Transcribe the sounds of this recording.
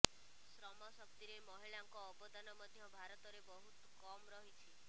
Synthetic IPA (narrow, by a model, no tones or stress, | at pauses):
sɾɔmɔsəb̚t̪iɾemɔɦiɭaŋkɔːbɔd̪ʱanɔməd̪ʱjɔbʱaɾɔt̪ɔɾebɔɦut̪kɔmɾɔɦit͡ʃʰi